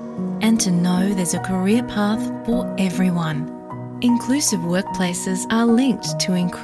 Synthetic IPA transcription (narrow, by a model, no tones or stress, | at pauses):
ʔɨ̃ntʰɨnoʊðə˞zɨkʰə˞ɪəpʰɑθfə˞ɛvɹiwʌ̃n | ʔɨ̃nkʰl̥ʉsɨvwɜ˞k̚pʰl̥eɪsɪzə˞lɪ̃ŋk̚tʰəɪ̃nkʰ